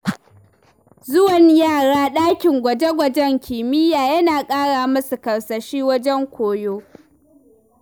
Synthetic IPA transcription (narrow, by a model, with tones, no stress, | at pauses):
zʊ˦wɐ˨ɲjaː˦˨ɽaː˦ɗaː˦kʲɪ˨ŋɡʷɐ˨d͡ʒe˦ɡʷɐ˨d͡ʒɛ˦ŋkʲʰɪː˨mɪ˦jaː˨jɐ˦naː˨kʼaː˦ɽaː˨mɐ˦su˨kɐ˨wsɐ˨ʃiː˦wɐ˦d͡ʒɛ˦ŋkʷoː˨joː˦